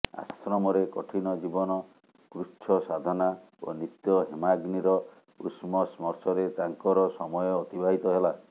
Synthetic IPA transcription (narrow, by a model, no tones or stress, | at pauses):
a̰sɾɔmɔɾekɔ̰ʈʰinɔd͡ʒibɔnɔ | kɾut͡ʃʰɔsad̪ʱɔna | o̰nit̪jɔɦemaɡniɾɔ | ṵsmɔsmɔɾsɔɾet̪aŋkɔɾɔsɔmɔjɔːt̪ibʱaɦit̪ɔɦela